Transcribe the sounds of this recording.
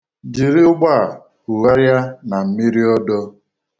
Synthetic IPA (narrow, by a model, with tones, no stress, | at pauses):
d͡ʒi˨ɾɪ˦ʊ˦ɡ͡ba˦˨ | u˨ɣa˦ɾja˦na˨m̩˨mi˦ɾi˦ɔ˦dɔ˦